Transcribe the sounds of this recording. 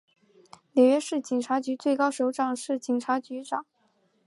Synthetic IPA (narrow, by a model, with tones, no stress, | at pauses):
ljɛ˨˩ɥɛ˥ʂɻ̩˥˩t͡ɕi˨˩ŋʈ͡ʂʰa˧˥t͡ɕy˧˥t͡swe˥˩ɪkɑ˥ʊʂo˧˥ʊʈ͡ʂɑ˨˩ŋʂɻ̩˥˩t͡ɕi˨˩ŋʈ͡ʂʰa˧˥t͡ɕy˧˥ʈ͡ʂɑ˨˩˦ŋ